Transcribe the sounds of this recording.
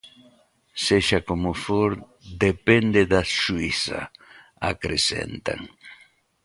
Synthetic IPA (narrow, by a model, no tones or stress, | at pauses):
seʃakomʊfoɾ | d̪epend̪eðaʃuiθa̰ | a̰kɾesḛnt̪a̰ŋ